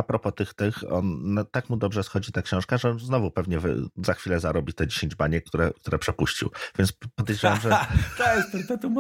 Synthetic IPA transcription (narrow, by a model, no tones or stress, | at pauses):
apɾɔpɔt̪ɘxt̪ɘxɔ̰nt̪akmud̪ɔbʐɛsxɔd͡ʑit̪akɕɔ̃w̃ʂkaʐɛɔnznɔvupɛvɲɛv̰zaxfʲilɛzaɾɔbʲit̪ɛd͡ʑeɕeɲd͡ʑbaɲɛk̚t̪uɾɛ̰kt̪uɾɛpʂɛpuɕt͡ɕḭwvʲjɛnspɔd̪jejd͡ʑawamʐɛt̪ɛt̪ɛɾt̪ɛt̪um